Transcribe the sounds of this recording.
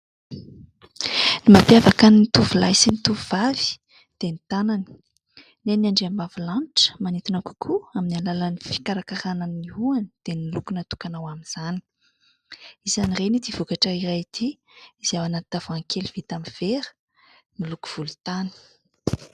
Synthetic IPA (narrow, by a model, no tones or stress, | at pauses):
nimapjavakanit̪uvulajsinit̪uvuvavi̥ | d̪̥enit̪anani̥ | nenaɳɖ͡ʐeambavulanʈ͡ʂə̥manit̪inaku̥kʰuaminalalanifi̥kaɾakaɾananiuanid̪̥enilukunat̪u̥kanawamiz̥ani̥ | izanirenid̪iv̥ukaʈ͡ʂəiɾajt̪ʰi | iz̥awanat̪t̪av̥aŋkʰeliv̥it̪amiv̥eɾə̥ | miluku̥v̥ulut̪ani̥